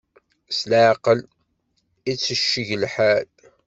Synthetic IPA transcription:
slaʕqəl | it͡sːəʃːəʝəlħal

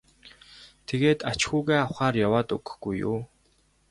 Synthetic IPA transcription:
t̪ʰeɣeːt̪at͡ɕxuːɣeːawχaːrjawaːt̪ɵɡɵ̥̆xɡ̥ujːṵː

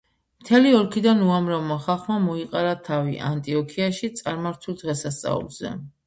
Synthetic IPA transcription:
mt̪ʰɛliɔɾkʰid̪anuamɾavmaχalˠχmamɔiqʼaɾat̪ʰaviʔant̪ʼiɔkʰiaʃit̪sʼaɾmaɾt̪ʰulˠd̪ʁɛsast̪sʼa̰ṵlˠz̥ɛ̰

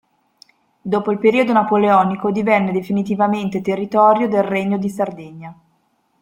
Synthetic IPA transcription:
d̪oːpoilpeɾiːod̪onapoleɔːnikod̪ivɛnːed̪efinit̪̬ivament̪et̪erːit̪ɔːɾjod̪elreɲːod̪isard̪ɛɲːa

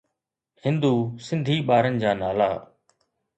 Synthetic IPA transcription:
hɪ̃nd̪uːsɪ̃nd̪ʱiːɓaːɾənɪ̆d͡ʑaːnaːla̰ː

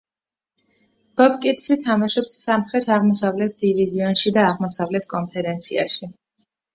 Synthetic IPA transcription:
b̥ɔb̚kʼit̪ʰsit̪ʰamaʃɔpsːamχɾɛt̪ʰaʁmɔsavlɛt̪ʰd̪̥iviziɔnʃid̪aːʁmɔsavlɛt̪ʰkʼɔnpʰɛɾɛnt̪sʰia̰ʃi

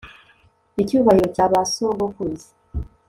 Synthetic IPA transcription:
ecuːβaiɾocaːβasoːɡokuzi̥

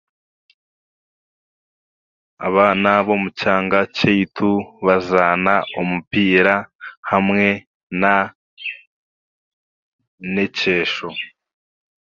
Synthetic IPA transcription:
a̰βaːnaβo̞mucaːŋɡacejitʰuβazaːnaumupiːɾahamŋe̞ | na | nece̞ːʃo

